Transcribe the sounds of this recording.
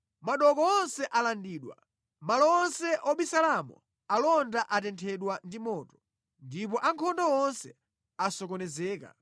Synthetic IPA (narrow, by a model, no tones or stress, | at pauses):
maɗɔkɔɔnsɛʔalandiːɗwa̰ | malɔɔnsɛʔɔɓisalamɔ̰ | alɔndaʔatɛntʰɛɗwandimɔːtɔ | ndip̬ɔʔaŋkʰɔndɔɔnsɛ | asɔkɔnɛzɛːka̰